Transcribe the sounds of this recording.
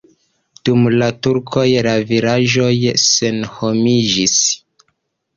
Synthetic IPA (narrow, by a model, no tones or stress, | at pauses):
d̥umlatuɾkʰo̞jlaviɾaʒo̞jse̞nho̞mid͡ʒis